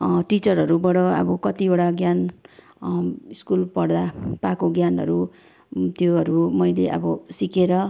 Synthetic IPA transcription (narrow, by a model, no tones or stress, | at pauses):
ʈit͡sʌrɦʌɾubʌɽʌʌ̰bʌkʌt̪ioɽaɡjan | iskulpʌɽd̪apakoɡjanʌ̰ɾu | t̪joɦʌɾumʌjleʔʌ̰bʌsikeɾʌ